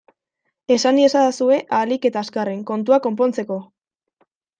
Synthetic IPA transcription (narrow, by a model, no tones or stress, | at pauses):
e̞saniesad̪asue̞ʔalike̞t̪aːskareŋko̞nt̪uako̞mpo̞nt͡se̞ko̞